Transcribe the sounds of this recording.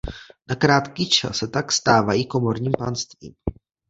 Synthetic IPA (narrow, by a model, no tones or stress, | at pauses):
nakɾaːt̪kit͡ʃa̰sɛt̪akst̪aːvajiːko̞mo̞ɾɲiːmpanst̪vḭːm